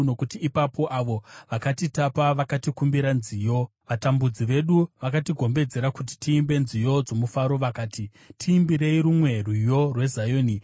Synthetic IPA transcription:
no̞kutiːpapo̞ʔaʋo̞ʋakatitapaʋakatikumbiɾanzijo̞ | ʋatambud͡ziʋe̞ɗuʋakatiɡʱo̞mbe̞d͡ze̞ɾakuti̥tiːmbe̞nzijo̞d͡zo̞mufaɾo̞ʋakaːti | tʰiːmbiɾe̞iɾumwe̞rwujo̞rwe̞zajoːni

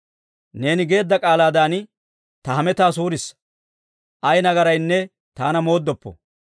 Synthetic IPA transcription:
ne̞ːnɪɡe̞ːd̪ːɐkʼaːlaːd̪aːn | t̪ɐhɐmɛt̪aːsuːɾɪs | ʔɐjnɐɡɐɾɐjnːɛ | t̪aːnɐmo̞ːd̪ːɔpːɔ̰

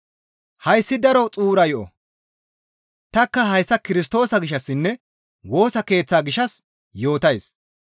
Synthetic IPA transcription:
hɐjsːɪd̪ɐɾɔt͡sʼuːɾɐjɔʔɔ̰ | t̪ɐkːɐɦɐjsːɐkɪɾɪs̬t̪o̞ːsɐɡɪʃːɐsːɪnːɛ | wo̞ːsɐke̞ːt͡sːaːɡɪʃːɐs | jo̞ːt̪ɐjs

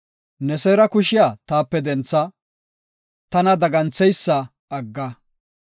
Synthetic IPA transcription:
nɛsɛːɾɐkʊʃɪjaːt̪aːpːɛd̪ɛnt͡sːɐ | t̪ɐnɐd̪ɐɡɐnt͡sːɛjsːɐ | ɐɡːɐ

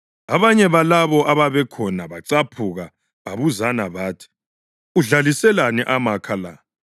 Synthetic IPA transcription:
aβaɲɛβalaβɔʔaβaβɛkʰɔnaβaǀapʰuɣa | βaβuzanaβaːtʰi̥ | uɮalisɛlanɛʔamakʰala̰

